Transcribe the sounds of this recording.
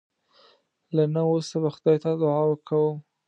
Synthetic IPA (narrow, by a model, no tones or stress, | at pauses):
lanaosabaxʊd̪ɑjt̪ad̪ʊʕɑwəɾkawə